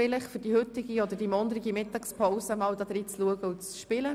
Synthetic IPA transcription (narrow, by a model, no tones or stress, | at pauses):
ɪləχfʏɾd̥ihʏtːɪɡiɔd̥̪əɾd̥imɔndəɾɪɡimɪtːɑkspʰɔʊsəmɑːldɑd̥̪ɾiːt͡sluəɡəut͡sʃpɪlə